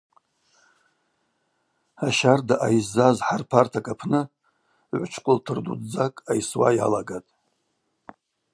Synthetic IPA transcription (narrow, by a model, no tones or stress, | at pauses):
aʃardaʔajzːazħarpʰartʰakʼapʰnɨ | ʕʷʊt͡ʃʰkʷʼʊltʰɨrdṵdd͡zakʼajswa̰ja̰laɡatʼ